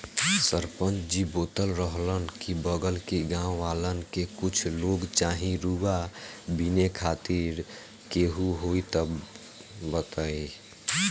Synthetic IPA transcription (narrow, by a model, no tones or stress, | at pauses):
səɾpənt͡ʃd͡ʒiboːt̪əlɾəɦlənkibəɡəlkeɡãʋaːlənkekʊt͡ʃʰloɡt͡ʃaɦĩɾuɡabinekʰaːt̪iɾ | keɦuɦoit̪ə | bət̪əi